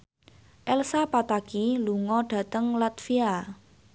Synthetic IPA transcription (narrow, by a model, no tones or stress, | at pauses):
ʔɛlsapat̪akiluŋɔɖ̥a̤t̪əŋlat̪fia